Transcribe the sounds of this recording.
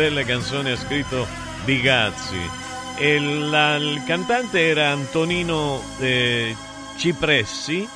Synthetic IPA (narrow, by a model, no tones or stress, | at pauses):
ɛlːekant̪soːniaskɾit̪ːo | d̪iɡat̪sːḭ | elakant̪ant̪eɛːɾaːnt̪oniːno | t͡ʃipɾɛsːi